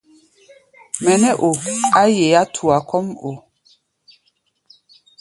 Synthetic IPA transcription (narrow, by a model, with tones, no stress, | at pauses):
mɛ˨nɛ˦ʔo˨a˦je˨a˦tʰu˨a˨kɔ˦mo˨